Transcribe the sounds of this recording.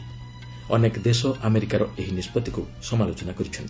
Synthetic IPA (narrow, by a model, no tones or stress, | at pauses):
ɔ̰nekd̪esɔʔameɾikaɾɔeɦinispɔt̪iku | sɔmalot͡ʃɔnakɔɾit͡ʃʰɔnt̪i̥